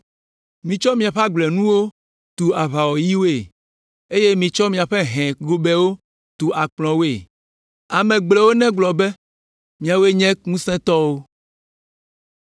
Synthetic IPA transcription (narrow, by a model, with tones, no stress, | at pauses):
mĩ˨t͡ʃɔ˦mĩ˨a˨ɸa˦ɡ͡blɛ˨nũ˦wo˦ | t̪u˨a˨βa˨wɔ˨ji˦wo˦e˨ | e˦je˦mĩ˨t͡ʃɔ˦mĩ˨a˨ɸe˦ɦɛ̃˨ɡo˦bɛ˦wo˦ | t̪u˨a˨k͡plɔ̃˨wo˦e˦˨ | a˨mɛ̃˨ɡ͡blɛ˨wo˦nɛ̃˦ɡ͡blɔ˨be˦ | mĩ˨a˨wo˦e˦ɲɛ̃˦ŋũ˦sɛ̃˦t̪ɔ˦wo˦